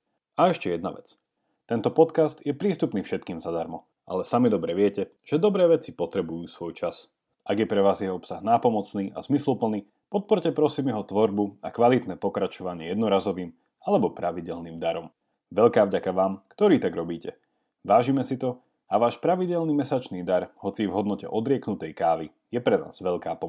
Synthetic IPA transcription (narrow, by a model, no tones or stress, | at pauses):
aɛʃcɛjɛd̪na̰ʋɛ̰t͡s | t̪ɛnt̪ɔpɔt̪kast̪jɛpɾiːst̪upniːfʃɛt̪̚kiːmzad̪aɾmɔ | ʔa̰lɛsamid̪ɔbɾɛʋɪɛcɛ | ʒ̥ɛd̪ɔbɾɛːʋɛt͡sipɔt̪ɾɛbujuːsʋɔjt͡ʃas | ʔaɡjɛpɾɛʋaːzjɛɦɔpsaɣnaːpɔmɔt͡sniːʔa̰zmislupl̩ni | pɔt̪̚pɔɾcɛpɾɔsiːmjɛɦɔt̪ʋɔɾbuakʋalit̪nɛːpɔkɾat͡ʃɔʋaɲɪɛjɛd̪nɔɾaːzɔʋiːm | alɛbɔpɾaʋiɟɛlniːmd̪aɾɔm | ʋɛʎkaːvɟakaʋaːmkt̪ɔɾiːt̪aɡɾɔbiːcɛ | ʋaːʒiːmɛsit̪ɔ | aʋaːʃpɾaʋiɟɛlniːmɛsat͡ʃniːd̪aɾɦɔt͡sivɦɔd̪nɔcɛ̰ʔɔd̪ɾɪɛknut̪ɛjkaːʋi | jɛpɾɛna̰ːz̥ʋɛʎkaːpɔ